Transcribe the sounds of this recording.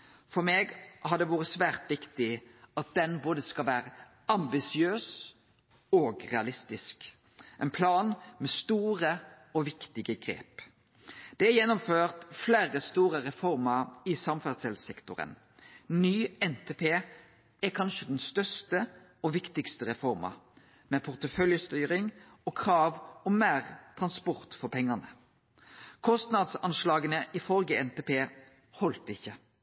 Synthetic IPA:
fɔmeːɡhɑɾd̪ɛʋuːʁəsʋæːʁt̪ʋɪkt̪ɪɑt̪̚d̪ɛnboːd̪əskɑlʋæːɾə | ɑmbɪsɪøːs | oɡʁɛ̰ɑlɪst̪ɪsk | ʔɛɪnpʰlɑːnmɛst̪uːʁə | ɔʋɪkt̪ɪɡəɡɾḛːp | d̪̥ɛæjɛnːɔmføːʁt̪fleːɾəst̪uːʁəɾɛfɔɾməɾɪsɑmfæd̪sɛlsɛkt̪ʊɾə̰n | nyːɛnt̪ʰepʰeː | ɛkʰɑnʃəd̪ɛnst̪œst̪ə | ɔʋɪkt̪ɪkst̪əʁɛfɔʁmɑ̰ | mɛpʰʊʁt̪əfœljəst̪yːʁɪŋ | ɔːkʰʁɑːʋɔmmæːʁt̪ʰʁɑnspɔʁt̪fɔpʰɛŋːɑnə | kʰɔst̪nɑd̪sɑnʃlɑːɡənəʔɪfɔlɡəɛnt̪eːpʰeː | hɔlt̪ɪçːə

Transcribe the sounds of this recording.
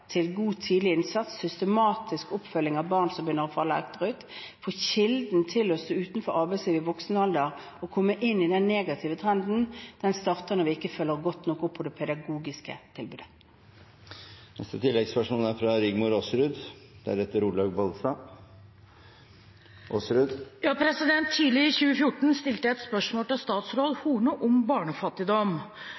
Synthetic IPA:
t̪ʰɪlɡuːt̪ʰiːd̪lɪɪnsɑt̪sːʏst̪əmɑːt̪ʰɪskɔpfœlːɪŋɑʋbɑːʁnsɔmbjʏnːəʁɔfɑlːəɑ̰kt̪əʁʉːt̪foːçɪld̪n̩t̪ʰɪlɔsʉːt̪n̩fɔɾɑːbɛsiːʋɪʋɔksnəɑld̪əʁ | ɔkʰɔmːəʔɪnːɪd̪ɛnːeːɡɑt̪ʰɪːʋət̪ʰʁɛnd̪n̩d̪̥ɛnst̪ɑːʁt̪əʁnəʋɪɪkːəføːlːəʁɡɔt̪nɔkːɔpʰːɔd̪ɛpʰɛd̪ɑɡuːɡɪskə̰t̪ʰɪlbʉːd̪ə̥ | nɛ̰st̪ət̪ʰɪlːɛɡspəʂmuːnæɾfɾɑɾʏɡmʊɾosɾʉːd̪d̪̥ɛæ̰ɾɛt̪ːəɾuːlɑɡbɑlsɑ | ʔoːsɾʉːd̪jɑːpʰɾɛsɪd̪ɛnt̪ʰːiːlɪɪçʉːəfjʊʈɳ̩st̪ɪlt̪əɛt̪spœʂmoːlt̪ɪlst̪ɑːt̪sɾoːd̪huːɳʊʔʊmbɑːɳəfɑt̪ːɪd̪ɔm

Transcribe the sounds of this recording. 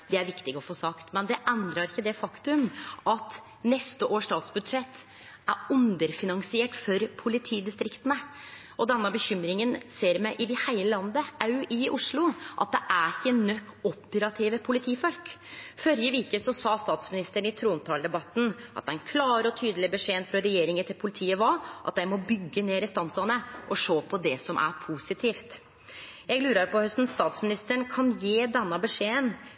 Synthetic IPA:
d̪ɛæɾʋɪkt̪ɪɡɔfoːsɑkt̪mɛnd̪ɛʔɛnd̪ɾɑɾɪçːəd̪ɛfɑkt̪ʉmʔɑt̪ | nɛst̪əʔoːʂt̪ɑːt̪sbʉd̪ʂɛt̪ː | æɾʉnd̪əɾfɪnɑŋsɪeːʈfɔɾpʰʊlɪt̪ʰiːd̪ɪst̪ɾɪkt̪ənə | ʔɔd̪ɛnːəbəçʏmɾɪŋənseːɾmæʔɪʋɪhæɪləlɑnd̪əɑʉɪʔʊʂlʊʔɑt̪̚d̪ɛʔæɾçənœkːɔpːəɾɑt̪ʰɪʋəpʰʊlɪt̪ʰiːfɔlkfœɾjəʋiːkəsɔsɑːst̪ɑːt̪smɪnɪst̪əɳɪt̪ʰɾuːnt̪ʰɑːld̪ɛbɑt̪ːn̩ɑ̰t̪̚d̪æɪnkʰlɑːɾɔt̪ʰyːd̪əlɪbɛʂeːnfɾɔɾɛjeːɾɪŋət̪ʰɪlpʰʊlɪt̪ʰiːəʋɑʔɑt̪̚d̪æɪmɔbʏɡːəneːɾɪst̪ɑnslɑnəʔɔʂoːpʰɔd̪ɛsɔmʔæ̰ɾpʰusɪt̪ʰiːft̪ | jɛɡlʉːɾɑɾpʰɔhœst̪n̩st̪ɑːt̪smɪnɪst̪əɳkʰɑnjeːd̪ɛnːɑbɛʂeːən

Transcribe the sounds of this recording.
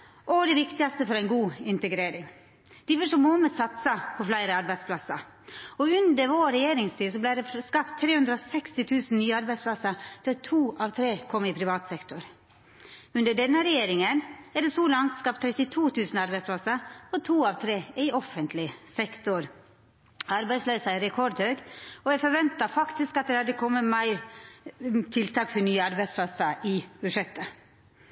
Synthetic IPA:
ʔɔd̪ɛʋɪkt̪ɪɑst̪əfɔɾæɪnɡuːɪnt̪əɡɾeːɾɪŋ | d̪̥ɪʋɔʂɔmoːməsɑt̪sɑpʰɔflæɪɾəɑɾbæɪd̪spʰlɑsɑ | ɔʉnd̪əɾʋoːɾɛjeːɾɪŋst̪ʰiːsɔblæɪɖɛskɑpt̪ʰːɾeːhʉnd̪ɾəɔsɛkst̪ɪt̪ʰʉːsn̩nyːɑɾbæɪspʰlɑsɑt̪ɪt̪ʰuːʔɑʋt̪ʰɾeːkʰɔmːɪpʰɾɪʋɑːt̪sɛkt̪ʊɾ | ʉnd̪əɖɛnːəɾɛjeːɾɪŋənɛɖ̪ɛsoːlɑŋt̪skɑp̚t̪ʰɾɛt̪ɪt̪ʰuːt̪ʰʉːsn̩ɑɾbæɪspʰlɑsəɔt̪ʰuːɑʋt̪ʰɾeːæɪɔfənt̪lɪsɛkt̪ʊɾ | ɑɾbæɪslœʏsɑɪɾɛkʰɔɾd̪høːɡɔæɪfɔɾʋɛnt̪ɑfɑkt̪ɪskɑt̪̚d̪ɛhɑd̪əkʰɔmːəmæɪɾ | t̪ʰɪlt̪ʰɑːkfɔnyːəɑɾbæɪspʰlɑsəʔɪbʉʂɛt̪ːə

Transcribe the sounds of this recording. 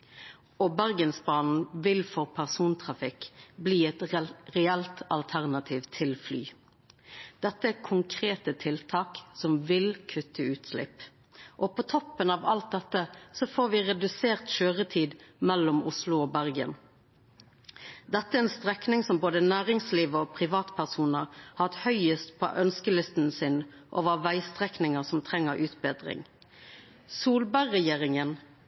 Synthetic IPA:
ɔbæʁɡənsbɑːnn̩ʋɪlfɔʁpʰæʁsuːnt̪ʰʁɑfɪkbliːɛt̪ʁɛɛlt̪ɑ̰lt̪ʰæʁnɑt̪ʰiːʋt̪ʰɪlfly̰ː | d̪̥ɛt̪ːəækʰʊŋkʰʁeːt̪ət̪ʰɪlt̪ʰɑːksɔmʋɪlkʰʉt̪ʰːəʉːt̪slɪ̰p | ʔɔpʰot̪ʰɔpːənɑːʋɑlt̪̚d̪ɛt̪ːəsɔfoːʁʋɪʁɛd̪ʉseːʁt̪ʃøːʁət̪ʰiːd̪mɛlːʊmʊslʊoːbæʁɡə̰n | d̪ɛt̪ːəæɛnst̪ʁɛknɪŋsɔmboːd̪ənæːʁɪŋsliːʋəopʰʁɪʋɑːt̪pʰæʁsuːnəʁhɑt̪hœʏəst̪pʰɔ̰ʔœnskəlɪst̪nsɪn | ʔo̰ʋɑʋæɪst̪ʁɛknɪŋəʁsɔmt̪ʰʁɛŋːəʁʔʉːt̪beːd̪ʁɪ̰ŋ | suːlbæʁːɛjeːʁɪŋən

